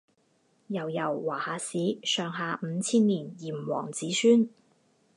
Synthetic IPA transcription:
jɐ˨˩wjɐ˨˩wːaː˨˩haː˨˥siː˨˥sœː˨ŋɦaː˨˧m̩˨˧t͡sʰiː˥nliː˨˩njiː˨˩m˨wɔ̰ː˨˩ŋt͡siː˨˥syː˥n

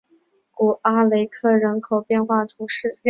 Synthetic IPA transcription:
ku˨˩ʔa˥le˧˥ɪkʰɤ˥˩ɻə˧˥nkʰo˨˩ʊpjɛ˥˧nxwa˥˩t̪ʰu˧˥ʂɻ̩˥˩

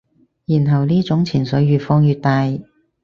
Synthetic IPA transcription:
jiː˨˩nɦɐ˨wliː˥t͡sʊ˨˥ŋt͡sʰiː˨˩nsɵ˨˥ɥjyː˨˧tfɔː˧ŋjyː˧t̚t̪aː˧j

